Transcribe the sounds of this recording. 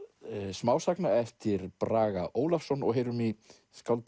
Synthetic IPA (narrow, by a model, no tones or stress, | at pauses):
smaːwsaknaɛft̪ɪɾ̥pɾaːɣaʔoːwlafsɔnɔ̰ɣɦeːjɾʏmi | skawlt̪